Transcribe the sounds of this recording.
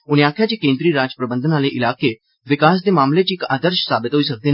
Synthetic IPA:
ʊnejaːkʰjat͡ɕeːkẽːnd̪ɾiːɾaːd͡ʒəpɾəbə̃nd̪ʱənaːleʔɪlaːke | ʋɪkaːs̬d̪emaːmlet͡ɕiːka̰ːd̪əɾʃsaːbɪt̪ɦoisək̚d̪eː

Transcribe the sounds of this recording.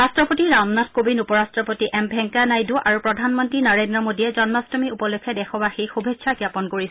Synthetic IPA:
ɹastɹɔpotiɹamnatʰkobinupɔɹastɹɔpotiʔɛmbʱɛŋkanajduʔaɹupɹɔdʱanmɔntɹinɔɹendɹɔmodiɛzɔnmastɔmiupɔlokʰːɛdɛxɔbaxejxubʱetsʰakjapɔnkoɹis

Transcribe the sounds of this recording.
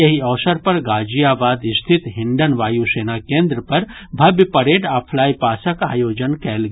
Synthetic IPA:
jɐɦiɔːsəɾpɐɾɡaːd͡ʒijaːbaːd̪ɪst̪ʰit̪ɦɪ̃ɳɖənʋaːjuseːnakẽːnd̪ɾəpɐɾ | bʱɐbjpɐɾeːʈaːpʰlaːjpaːsəka̰ːjoːd͡ʒənkɛːlɡ

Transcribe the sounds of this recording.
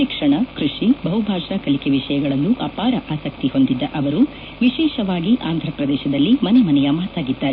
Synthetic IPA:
ʃikʂɐɳɐkɾuʂibɐɦubʱaːʂɐkɐlikeʋiʂɐjɐɡɐɭɐnːuʔɐpaːɾɐʔaːsɐk̚t̪iho̞nd̪id̪ːɐʔɐʋɐɾu | ʋiʃɛːʃɐʋaːɡiʔaːnd̪ʱɾɐpɾɐd̪ɛːʃɐd̪ɐlːimɐnɛmɐnɛjɐmaːt̪aːɡid̪ːaːɾe

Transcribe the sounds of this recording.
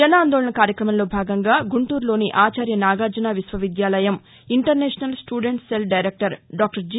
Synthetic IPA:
d͡ʒɐnaːnd̪oːɭɐɳɐkaːɾjɐkɾɐmɐmlo̞ːbʱaːɡɐŋɡaːɡuɳʈuːɾlo̞ːniʔaːt͡ʃaːɾjɐnaːɡaːɾd͡ʒɐnaːʋisʋɐʋid̪jaːlɐjɐm | iɳʈɐɾnɛːʂɐnɐlsʈuːɖeɳʈselɖɐjɾeːk̚ʈɐɾɖaːk̚ʈɐɾd͡ʒ

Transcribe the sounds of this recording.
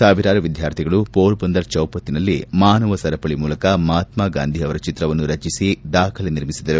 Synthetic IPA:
saːʋiɾaːɾɐʋid̪ʱjaːɾt̪ʰiɡɐɭupoːɾbɐnd̪ɐɾt͡ʃɐwpɐt̪ːinɐlːimaːnɐʋɐsɐɾɐpɐɭimuːlɐkɐmaːt̪maːɡa̰ːnd̪ʱiɐʋɐɾɐt͡ʃit̪ɾɐʋɐnːuɾɐt͡ʃisid̪aːkʰɐlɐniɾmisid̪ɐɾu

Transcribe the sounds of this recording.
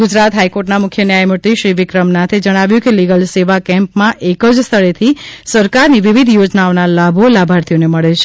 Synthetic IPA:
ɡud͡ʒɾat̪ɦajkoʈnamʊkʰːjənjajməɾt̪iʃɾiʋikɾəmnat̪ʰed͡ʒəɽ̃aʋjũkeliɡəlseʋakɛ̃mpmãʔekəd͡ʒst̪ʰəɭet̪ʰisəɾkaɾniʋiʋid̪ʱjod͡ʒnaonalabʱolabʱaɾt̪ʰijoneməɭet͡ʃʰe̥

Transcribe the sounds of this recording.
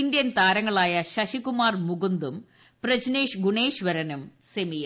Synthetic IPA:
ind̪jɐnt̪aːɾɐŋːɐɭaːjɐɕɐɕikumaːrmuɡund̪um | prɐd͡ʑne̞ːʂɡuɳe̞ːɕʋɐɾɐnumsemij

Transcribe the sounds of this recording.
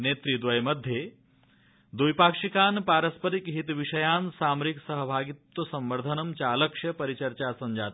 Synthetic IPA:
neːt̪ɾid̪ʋɐjmɐd̪ʱje | d̪ujpaːkʂikaːnpaːɾɐspəɾikɦit̪ʋiʂɐjaːnsaːmɾiksɐɦɐbʱaːɡit̪ʋɐsɐ̃mʋɐɾd̪ʱɐnɐmt͡ʃaːlɐkʂjɐpɐɾit͡ʃɐɾaːsɐɲd͡ʒaːt̪

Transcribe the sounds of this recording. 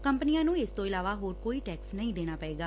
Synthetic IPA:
kəmpənijãːnũːɪst̪õːɪlaːʋaːɦoːɾkoːiːʈɛːksnəĩːd̪eːɽ̃aːpɛeːɡaː

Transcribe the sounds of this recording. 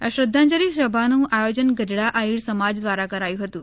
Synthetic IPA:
ja̰ɕɾəd̪ʱːãnd͡ʑəɾiːɕɾəbʱanũːʔajod͡ʑənɡədɽaʔaɦiːɭsəmad͡zd̪ʋaɾakəɾajuːɦot̪uː

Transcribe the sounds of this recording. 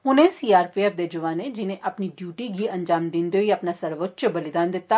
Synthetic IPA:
ʊnẽsiːaːɾpiebd̪eːd͡ʒʊʋaːnẽd͡ʒɪnẽʔɐpniɖjuːʈiɡʱiɐ̃ɲd͡ʒaːmd̪ɪ̃nd̪oiɐpnasɐɾʋətːʃbɐlɪd̪aːnd̪ɪt̪ːaː

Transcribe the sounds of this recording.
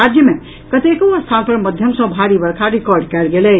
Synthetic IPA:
ad͡ʒjəme | kət̪ekoəst̪ʰanpəɾməd̪ʱjəmsə̃bʱaɾibəɾkʰaɾikɔɾɖkɛɾɡelɛ

